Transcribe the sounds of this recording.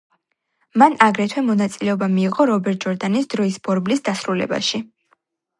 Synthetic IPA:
manaɡɾɛt̪ʰwɛmɔnat̪sʼilɛɔbamiːʁɔɾɔbɛɾt̪̚ʰd͡ʒɔɾd̪anisd̪̥ɾɔisb̥ɔɾblisd̪asɾulɛ̰ba̰ʃi

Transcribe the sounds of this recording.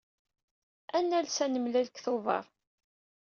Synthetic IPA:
ænːælsænəmlælkθovˤɑ̰ɾˤ

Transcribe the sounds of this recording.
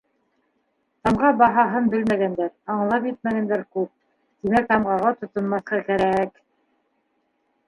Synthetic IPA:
t̪ɑɴʁɑbɑɦɑɦɤnbɘlmæɡænd̪æɾɑɴlˠɑpjɘt̪̚mæɡænd̪æɾkʉp̚ | t̪imæk̚t̪ɑmʁɑʁɑt̪ŏt̪ŏnmɑθqɑkæɾæk

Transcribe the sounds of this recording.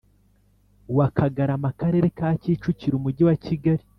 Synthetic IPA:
wakʰaɡaɾamakaɾe̞ɾe̞kaːciːt͡ʃuciɾumuɟiwaciɡaɾi

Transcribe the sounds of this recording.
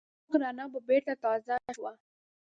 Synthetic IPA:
xɾɑnababeɾt̪at̪ɑzaʃwa

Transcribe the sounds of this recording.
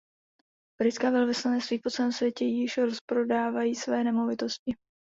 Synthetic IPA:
b̥ɾɪt̪skaːvɛlvɪslanɛst̪viːpo̞t͡sɛlɛːmsvjɛcɛjɪʃɾospɾo̞daːvajiːsvɛːnɛmo̞vɪt̪o̞scɪ

